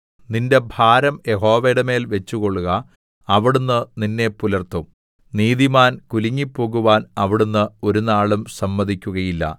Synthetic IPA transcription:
ninde̞bʱaːɾɐmje̞ɦo̞ːʋeɽeme̞ːlʋe̞t͡ɕːuɣo̞ɭːuɣɐː | ʋiɽunːɨninːe̞pːulɐrt̪ːum | niːðimaːnkuliŋːipːo̞ːɣuʋaːnɐʋiɽunːɨo̞ɾunaːɭumsɐmːɐðikʲːuɣɐjilːɐ̰

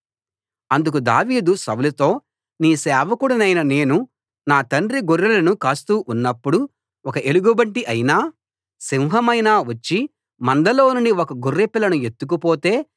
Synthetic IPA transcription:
ɐnd̪uk̬ud̪a̰ːʋiːd̪usɐwlɐt̪o̞ː | niːsɛːʋɐkuɽɐnɐjnɐne̞ːnu | naːt̪ɐɳɾiɡuɾːilɐnukaːst̪uːʔunːɐpːuɽu | ɔkɐʔe̞luɡubɐɳʈiʔɐjnaː | siwɦɐmɐjnaːʋɐt͡ʃːi | mɐnd̪ɐlo̞ːnuɳɖiɔkɐɡurːipilɐnue̞t̪ːukupo̞ːt̪e̞ː

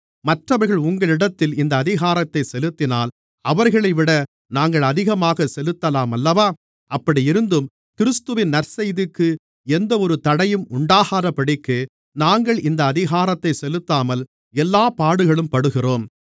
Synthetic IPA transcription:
mɐʈrɐʋɐɾɣɐɭʊŋɡɐɭɪɽɐt̪ːɪlɪnd̪ɐːðɪɣaːɾɐt̪ːɐɪsɛlɯt̪ːɪnaːl | ɐʋɐɾɣɐɭɐɪʋɪɽɐ | naːŋɡɐɭɐðɪɣɐmaːɣɐsɛlɯt̪ːɐlaːmɐlːɐʋaː | ɐpːɐɽiɪɾɯnd̪ɯm | kɪɾɯst̪ɯʋɪnnɐɾsɛjðɪkːɯ | ɛnd̪ɐɔɾɯt̪ɐɽɐjɯmʊɳɖaːɣaːɾɐpːɐɽɪkːɯ | naːŋɡɐɭɪnd̪ɐːðɪɣaːɾɐt̪ːɐɪsɛlɯt̪ːaːmɐl | ɛlːaːpaːɽɯɣɐɭɯmpɐɽɯɣɪroːm

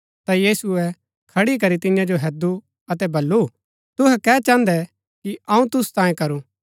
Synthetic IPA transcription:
t̪ajiːsuɛ | kʰɐɽik̬ɐɾit̪ɪjãd͡ʒoɦɛːd̪u | ɐt̪ɛbɐlːu | t̪ʊɦɛkɛːt͡ʃãːnd̪ɛ | kiɐ̃ũt̪ʊst̪ãːjẽkɐɾu

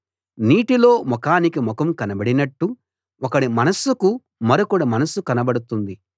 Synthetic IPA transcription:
niːʈilo̞ːmɔkaːnikimɔkɐmkɐnɐbɐɽinɐʈːu | ɔkɐɽimɐnɐsuku | mɐɾokuɽɐmɐnɐsukɐnɐbɐɽut̪und̪i

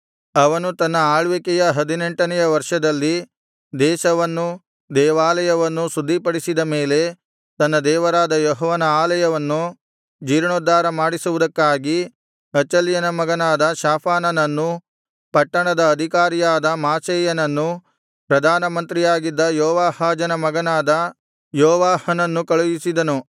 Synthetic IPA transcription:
ɐʋɐnut̪ɐnːɐaːɭʋekɛjɐɦɐd̪ine̞ɳʈɐnɛjɐʋɐɾʂɐd̪ɐlːi | d̪ɛːʃɐʋɐnːu | d̪ɛːʋaːlɐjɐʋɐnːusud̪ʱːipɐɽisid̪ɐme̞ːle̞ | t̪ɐnːɐd̪ɛːʋɐɾaːd̪ɐjɔɦɔːʋɐnɐaːlɐjɐʋɐnːu | d͡ʒiːɾɳoːd̪ːaːɾɐmaːɽisuʋud̪ɐkːaːɡi | ɐt͡ʃːɐljɐnɐmɐɡɐnaːd̪ɐʃaːpʰaːnɐnɐnːu | pɐʈːɐɳɐd̪ɐːd̪ʱikaːɾijaːd̪ɐmaːt͡ʃeːjɐnɐnːu | pɾɐd̪ʱaːnɐmɐnt̪ɾijaːɡid̪ːɐjɔːʋaːhaːd͡ʒɐnɐmɐɡɐnaːd̪ɐ | jɔːʋaːhɐnɐnːukɐɭujisid̪ɐnu

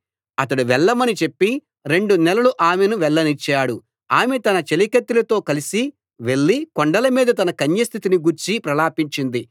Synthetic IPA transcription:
ɐt̪ɐɽuʋɛɭːɐmɐnit͡ʃe̞pːi | ɾe̞ɳɖunɛlɐluʔaːmenuʋɛɭːɐnit͡ʃːaːɽu | aːmet̪ɐnɐt͡ʃelikɐt̪ːilɐt̪o̞ːkɐlisi | ʋe̞ɭːikɔɳɖɐlɐmiːd̪ɐt̪̬ɐnɐkɐɲjɐst̪ʰit̪iniɡuɾt͡ʃipɾɐlaːpiɲt͡ʃind̪i

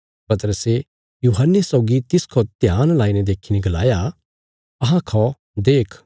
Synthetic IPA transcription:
pɐt̪əɾəse | juːɦənːesɔʊɡit̪ɪskʰot̪jaːnlaːinɛd̪eːkʰinẽɡɐla̰ːja | ɐɦãkʰɔ | d̪eːkʰ

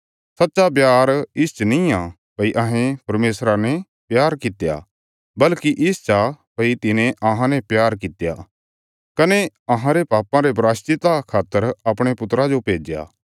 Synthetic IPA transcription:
sɐtːʃap̬jaːɾɪst͡ʃənĩã | pɐiʔɐɦẽpɐɾmeːsɾanɛ | pjaːɾkɪt̪ja̰ | bɐlkiʔɪst͡ʃapɐit̪ɪnẽʔɐɦãnɛ̃pjaːɾkɪt̪ja̰ | kɐne | ɐɦãɾepaːpãɾebɾaːst͡ʃɪt̪akʰaːt̪ːəɾɐpɽ̃epʊt̪ɾad͡ʒopeːd͡ʒja̰ː

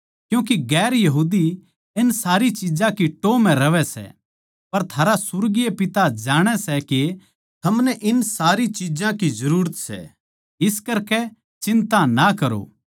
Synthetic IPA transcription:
kjũːk̬iɡɛːɾjɐɦuːd̪i | ɪnsaːɾit͡ʃid͡ʒãkiʈoːmɛ̃ɾɐʋɛsɛ̰ | pɐɾt̪ʰaːɾasʊɾɡijepɪt̪ad͡ʒaːɽ̃ɛsɛke | t̪ʰɐmnɛʔɪnsaːɾit͡ʃid͡ʒãkizɐɾuːɾət̪sɛ̰ | ɪskɐɾkɛ | t͡ʃɪ̃nt̪ãnakɐɾo̰ː

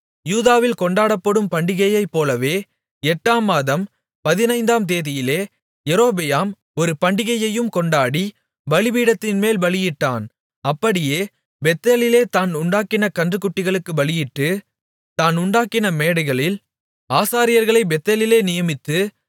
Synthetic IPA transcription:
juːðaːʋɪlkɔɳɖaːɽɐpːɐɽɯmpɐɳɖɪɣɐjɐɪpːoːlɐʋeː | ɛʈːaːmaːðɐm | pɐðɪnɐɪnd̪aːmt̪eːðɪjɪleː | jɛɾoːbɛjaːm | ɔɾɯpɐɳɖɪɣɐjɐjɯmkɔɳɖaːɽi | ʋɐɭɪʋiːɽɐt̪ːɪnmeːlʋɐɭɪjɪʈːaːn | ɐpːɐɽɪjeː | bɛt̪ːɐlɪleːt̪aːnʊɳɖaːkɪnɐkɐndrɯkːʊʈːɪɣɐɭɯkːɯʋɐɭɪjɪʈːɯ | t̪aːnʊɳɖaːkɪnɐmeːɽɐɣɐɭɪl | aːsaːɾɪjɐɾɣɐɭɐɪbɛt̪ːɐlɪleːnɪjɐmɪt̪ːɯ

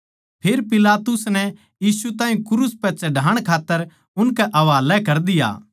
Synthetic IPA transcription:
pʰeːɾpɪlaːt̪ʊsnɛ | jiːsut̪aːĩkʊɾuspɛt͡ʃɐɖʱaːɽ̃kʰaːt̪ːəɾ | ʊnkɛʔɐʋaːlɛkɐɾd̪ɪja̰ː

